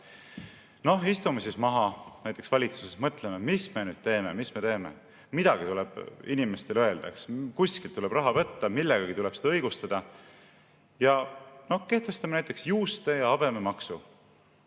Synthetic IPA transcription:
no̞ɦist̪umesismɑɦɑnæjt̪ˑeksvɑlʲit̪su̥sesmɤt̪ˑlememisme̞nyːd̪̥̚t̪e̞ːme̞misme̞t̪e̞ːmḛ | mid̪̥ɑɡ̥it̪uleb̥inime̞st̪e̞løeld̪̥ɑ̰kskusʲkilt̪ːule̞bɾɑɦɑvɤt̪ːɑmilːeɡ̥ɑɡ̥it̪ule̞b̥sed̪ɑɤjɡ̥ust̪ɑd̪̥ɑ | jɑno̞hke̞ht̪e̞st̪ɑmenæjt̪ːˑeksjuːst̪e̞jɑɑb̥e̞memɑksu

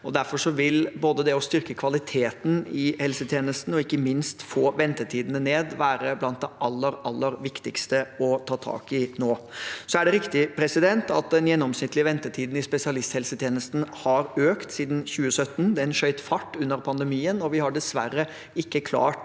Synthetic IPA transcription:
ɔd̪æɾfɔʂɔʋɪlboːd̪əd̪ɛɔst̪ʏɾkəkʰʋɑlɪt̪ʰeːt̪n̩ɪhɛlsət̪ʰjeːnəst̪n̩ɔɪkːəmɪnst̪foːʋɛnt̪əʈʰiːd̪nəneːd̪ʋæːɾəblɑnt̪̚d̪ɛʔɑlːəɾɑlːəɾʋɪkt̪ɪkst̪əɔt̪ʰɑːt̪ʰɑ̰ːkɪnoːsɔæɖɛɾɪkt̪ɪpʰɾɛsɪd̪ɛnt̪ɑ̰t̪̚d̪ɛnjɛnːɔmsnɪt̪ːlɪəʋɛnt̪əʈʰiːd̪n̩ɪspɛsɪɑlɪst̪hɛlsət̪ʰjeːnəst̪n̩hɑɾøːkt̪siːd̪n̩çʉːəsœt̪ːnd̪ɛɛnʃœʏt̪fɑʈːʉnːəɾpʰɑnd̪ɛmiːənɔʋɪhɑɖɛsʋæ̰ɾə | ɪkːəkʰlɑ̰ːʈ

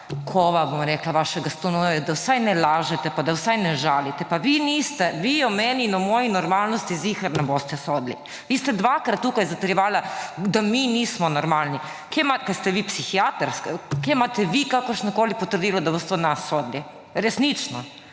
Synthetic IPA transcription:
kʰoʋabomɾɛklaʋaʃɛɡast̪onoɛd̪awsajnɛlaːʒɛt̪ɛpad̪awsajnɛʒaːlit̪ɛpaʋinist̪ɛʋijomɛninamojinoɾmalnost̪izixaɾnabost̪ɛsod̪lḭ | ʋiːst̪ɛd̪ʋakɾat̪̚t̪ːuːkajzat̪ɾjiʋaːlad̪aminiːsmonoɾmalni | kemakat̪st̪ɛʋipsixiat̪aɾskakejmat̪ɛʋikakoʃnakolipot̪ərd̪iːlod̪abost̪ɛod̪nasod̪li | ɾesnit͡ʃno

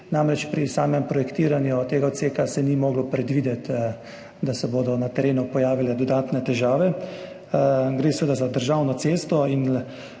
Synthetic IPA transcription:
namɾɛt͡ʃpɾisaːmɛmpɾɔjɛkt̪iːɾanjut̪eːɡaot̪seːkasɛnimoːɡlɔpɾɛd̪ʋiːd̪ɛt̪ | d̪asɛboːd̪ɔnat̪ɛɾeːnupɔjaːʋilɛd̪ɔd̪aːt̪nɛt̪ɛʒaːʋɛ | ɡɾeːsʋeːd̪azad̪əɾʒaːwnɔseːst̪ɔin

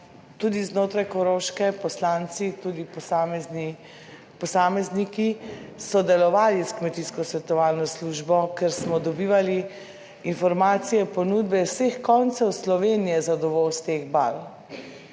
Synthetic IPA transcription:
t̪ud̪iznoːt̪ɾajkoɾoʃkɛpɔslant̪sit̪ud̪ipam | pɔsaːmɛznikisɔd̪ɛlɔʋaːliskmɛt̪iːskɔsʋɛt̪ɔʋaːlnɔsluʒbɔkɛɾsmɔd̪ɔbiːʋali | infɔɾmaːt̪sijɛpɔnuːd̪bɛwsexkɔnt̪sɛwslɔʋeːnijɛzad̪ɔʋɔwst̪eɣba̰l

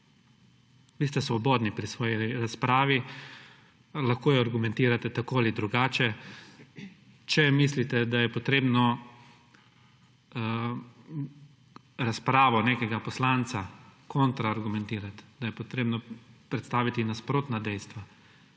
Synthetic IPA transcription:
ʋiːst̪ɛsʋɔbɔːd̪nipɾisʋɔːjiɾaspɾaːʋi | laxkoːjɛaɾɡumɛ̃nt̪iːɾat̪ɛt̪akoalid̪ɾuɡaːt͡ʃɛ | t͡ʃɛmislit̪ɛd̪ajɛpɔt̪ɾeːbnɔ | ɾaspɾaːʋɔneːkɛɡapɔslaːnt̪sakont̪ɾaːɾɡumɛnt̪iːɾat̪d̪ajɛpɔt̪ɾeːbnɔpɾɛt̪st̪aːʋit̪inaspɾoːt̪nad̪ɛjst̪ʋa

